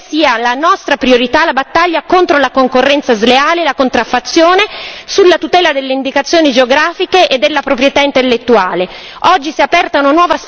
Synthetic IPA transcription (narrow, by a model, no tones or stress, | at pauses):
siːalanɔst̪ɾapɾioɾit̪alabat̪ːaʎːakont̪ɾolakoŋkorːɛnt̪sazleaːleːlakont̪ɾafːat̪sːjoːnesulːat̪ut̪ɛːlad̪elːeind̪ikat̪sːjoːnid͡ʒeoɡɾaːfikeʔed̪ːelːapɾopɾjet̪aint̪elːet̪ːuaːle | ɔd͡ʒːisiapɛrt̪aunanwɔːvas